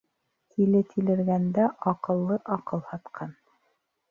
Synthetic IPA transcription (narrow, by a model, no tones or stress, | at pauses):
k̪ʰilɘt̪ʰilɘ̆ɾɡænd̪æʔɑqɤ̆lˠːɤʔɑqɤlˠhɑt̪qʰɑn